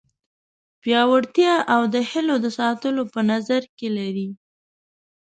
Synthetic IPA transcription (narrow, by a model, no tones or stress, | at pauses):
pjɑwaɽt̪jɑʔawd̪əhɪlod̪əsɑt̪əlopənazaɾkelaɾi